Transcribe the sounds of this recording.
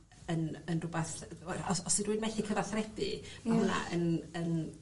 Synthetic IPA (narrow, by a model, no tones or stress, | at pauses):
ənənrʊbaθɛɔsɔsɪdwɨnmɛɬikʰəvaθrɛb̥ɪmaɦuna̰ʔənən